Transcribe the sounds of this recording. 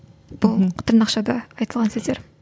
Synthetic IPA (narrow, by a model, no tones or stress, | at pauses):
b̥ʊlˠqʰt̪əɾnɑqʃɑd̪ɑɑjt̪əlˠʁɑnsɵzd̪eɾ